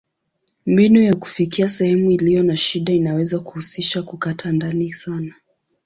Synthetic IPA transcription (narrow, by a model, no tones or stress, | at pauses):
mbinujaku̥fikiasɛhɛmuilijɔnaʃiɗainawɛzaku̥husiʃakukatʰandanisana